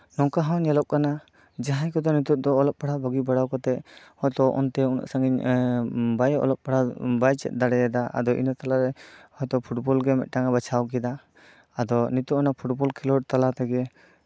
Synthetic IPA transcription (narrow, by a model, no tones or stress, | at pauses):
nɔŋkaɦawɲɛlɔp̚kana | d͡ʒaɦajkɔd̪ɔnit̪ut̪̚ˀd̪ɔːlɔp̚paɽabaɡibaɽawkɔt̪ɛʔ̚hɔjt̪ɔʔɔ̰nt̪ɛuna̰ʔsaŋɡiɲ | bajɔ̰lɔp̚paɽabajt͡ʃɛ̰t̪̚d̪aɽɛɛd̪aʔa̰d̪ɔʔḭnɔt̪alaɾɛhɔjt̪ɔpʰuʈbɔlɡɛmɛ̰t̪̚ˀʈaŋabat͡ʃʰawk̬ɛd̪aː | d̪ɔnit̪uʔɔnapʰuʈbɔlkʰɛlɔɽt̪alat̪ɛɡɛ